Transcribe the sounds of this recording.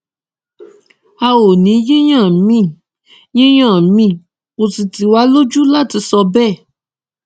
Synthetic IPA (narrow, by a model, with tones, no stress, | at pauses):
a˧wo˨nĩ˨˦je˦j̃ã˦˨mĩ˦˨ | je˦j̃ã˦˨mĩ˦˨ | ko˨si˧ti˧wa˦lo˦d͡ʒu˦la˦˨ti˧˦sɔ˧bɛ˦˨